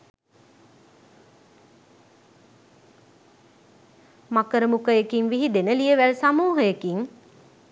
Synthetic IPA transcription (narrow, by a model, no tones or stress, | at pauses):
makəɾəmukəjekiŋʋiɦid̪enəlijəʋælsamuːɦəjekiŋ